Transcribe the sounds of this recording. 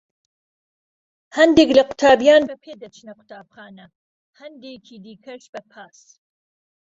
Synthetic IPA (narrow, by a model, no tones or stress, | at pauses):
hɐnd̪eːklɐqʰʊ̥t̪ʰaːbijaːnbɐpʰeːd̪ɐt͡ʃʰnɐqʊ̥t̪ʰaːb̚χaːnɐ | hɐnd̪ekʰiːd̪iːkʰɐʃbɐpʰaːs